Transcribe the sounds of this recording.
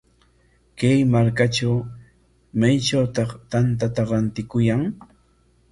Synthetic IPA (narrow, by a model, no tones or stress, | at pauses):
kajmaɾkaʈ͡ʂaw | majʈ͡ʂawt̪ɑχt̪ant̪̬at̪aɾant̪ɪkʊjaŋ